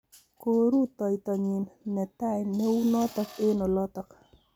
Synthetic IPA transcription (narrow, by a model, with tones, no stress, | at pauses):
ko˨ɾu˦t̪ɔ˨jt̪ɔ˨ɲi˨nmɛ˨t̪a˦jnɛ˦u˦nɔ˦t̪ɔ˨ke˦nɔ˨lɔ˦t̪ɔ˨k